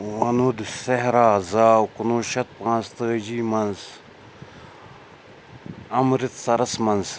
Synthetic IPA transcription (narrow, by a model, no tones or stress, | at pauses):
wɐnud̪seɦɾaːzaːwkunoːʃɐt̪̚pãːnst̪əːd͡ʑiːmɐnz | ɐmɾit̪sɐɾɐsmɐnz